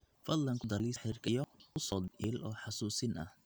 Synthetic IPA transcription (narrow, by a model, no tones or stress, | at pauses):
fɐd̪lɐŋkʰʊd̪ɐliħɪrkʰɐjɔʊsɔːd̪ɪlʔɔːħɑsuːsɪnɐ̰h